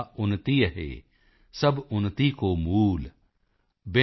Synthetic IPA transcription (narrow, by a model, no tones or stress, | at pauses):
ʊnːt̪iəɦḛː | sɐbʊnːt̪ikomuːl | be